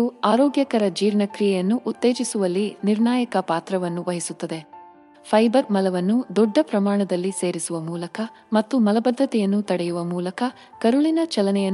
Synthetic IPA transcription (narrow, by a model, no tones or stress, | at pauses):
uaːɾoːɡjɐkɐɾɐd͡ʒiːɾɳɐkɾijɛjɐnːuʔːt̪ːe̞ːd͡ʒisuʋɐlːiniɾɳaːjɐkɐpaːt̪ɾɐʋɐnːuʋɐɦisut̪ːɐd̪e̞ | pʰɐjbɐɾmɐlɐʋɐnːud̪ɔɖːɐpɾɐmaːɳɐd̪ɐlːise̞ːɾisuʋɐmuːlɐkɐ | mɐt̪ːumɐlɐbɐd̪ʱːɐt̪ɛjɐnːut̪ɐɽɛjuʋɐmuːlɐkɐ | kɐɾuɭinɐt͡ʃɐlɐnɛjɐ